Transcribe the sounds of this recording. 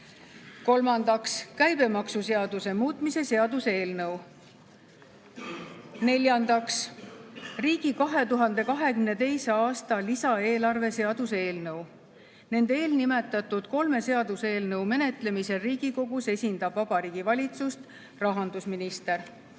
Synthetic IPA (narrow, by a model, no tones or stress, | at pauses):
ko̞lmɑnd̪ɑkskæjb̥e̞mɑksuse̞ɑd̪̥use̞muːt̪ˑmise̞se̞ɑd̪use̞ːlnɤw | ne̞lʲjɑnd̪̥ɑks | riːɡ̥ikɑɦe̞t̪uɦɑnd̪e̞kɑɦe̞kymne̞t̪e̞jseɑːst̪ɑlisɑe̞ːlɑrve̞se̞ɑd̪̥use̞ːlnɤw | ne̞nd̪eeːlnime̞t̪ːˑɑt̪ːˑud̪̥ko̞lme̞se̞ɑd̪̥use̞ːlnɤwme̞ne̞t̪ˑle̞mise̞riːɡ̥iko̞ɡ̥use̞sʲind̪̥ɑbvɑb̥ɑɾiːɡ̥ivɑlʲit̪sust̪ | rɑɦɑnd̪usminist̪e̞ɾ